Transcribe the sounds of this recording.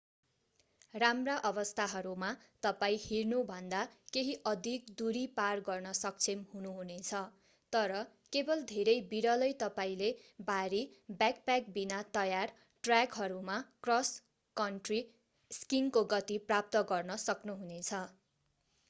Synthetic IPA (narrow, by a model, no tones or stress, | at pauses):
ramraʔʌbʌst̪ʰaɦʌɾumat̪ʌpaĩhirnubʱʌnd̪akeɦiʔʌd̪ʱik̚d̪uɾiparɡʌrnʌsʌk̚t͡sʰimɦunuɦunet͡sʰʌ | t̪ʌɾʌ | kebʌld̪ʱeɾʌjbiɾʌlʌjt̪ʌpaĩlebaɾibak̚pak̚binat̪ʌjar | ʈrakɦʌɾumakrʌs | kʌnʈri | skiŋkoɡʌt̪iprap̚t̪ʌɡʌrnʌsʌknuɦunet͡sʰʌ